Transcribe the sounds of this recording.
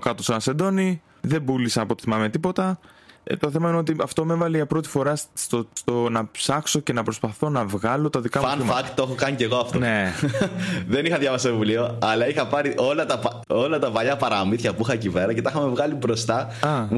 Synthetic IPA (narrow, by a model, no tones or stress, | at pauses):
kɐt̪osenɐsend̪oni | ðe̞bulisɐɐpo̞t̪i̥θimɐme̞t̪ipo̞t̪ɐt̪o̞θe̞mɐineo̞t̪iɐft̪o̞me̞vɐliʝɐpɾo̞t̪i̥fo̞ɾɐst̪ost̪onɐpsɐkso̞ce̞nɐpɾo̞spɐθo̞nɐvɣɐlo̞t̪ɐðikɐɐiɐɐkt̪t̪oexokɐniceɣoɐft̪one | ðenixɐðjʝɐvɐsevulioɐlɐixɐpɐɾiʔolɐt̪ɐp | o̞lɐt̪ɐvɐʎɐpɐɾɐmiθçɐpuixɐciveɾɐce̞t̪ɐixɐme̞vɣɐlibɾo̞st̪ɐ | ɐ